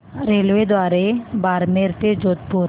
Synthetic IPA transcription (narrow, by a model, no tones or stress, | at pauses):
ɾeːlʋed̪waːɾebaːɾmeɾt̪ed͡ʒoːt̪̚puɾ